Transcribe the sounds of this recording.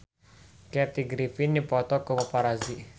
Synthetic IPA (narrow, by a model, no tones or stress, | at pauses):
kɛt̪iɡɾifinːipɔt̪ɔkowɔpaɾazi